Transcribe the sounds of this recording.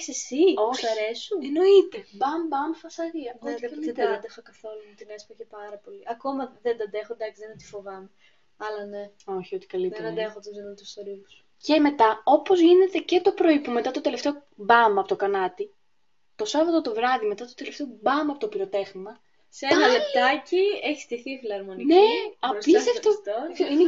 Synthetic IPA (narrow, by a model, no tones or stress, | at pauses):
i̥sesioɐɾesueno̞it̪e̞bɐmbɐmfɐsɐɾiɐeɐd̪ɐd̪exokɐθo̞lumut̪inespɐçepɐɾɐpo̞liʔɐko̞mɐðend̪ɐd̪e̞xod̪ɐksiðenɐt̪i̥fo̞vɐme | ɐlɐne | o̞çio̞t̪i̥kɐlitðenɐd̪exot̪izinont̪usst̪oɾius | ce̞me̞t̪ɐo̞po̞zʝine̞t̪e̞ce̞t̪o̞pɾo̞ipume̞t̪ɐt̪o̞t̪e̞le̞ft̪e̞o | bɐmɐɐpot̪okɐnɐt̪i | t̪o̞sɐvɐt̪ot̪o̞vɾɐðime̞t̪ɐt̪ot̪e̞left̪e̞o̞bɐmɐpot̪opiɾo̞t̪e̞ɣmɐ | seenɐlep̚t̪ɐcieçi̥st̪iθifilɐɾmo̞nineɐisɐft̪oine